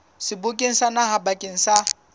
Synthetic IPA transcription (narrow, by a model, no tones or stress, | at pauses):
sɪbʊkʼeŋ̩sanahabakʼeŋ̩sa